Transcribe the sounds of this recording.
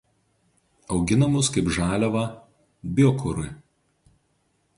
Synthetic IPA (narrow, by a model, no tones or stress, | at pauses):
ɒʊɡʲɪnɐmʊskɐɪpʒɑːlʲɛʋɐ | bʲɔkʰʊɾʊ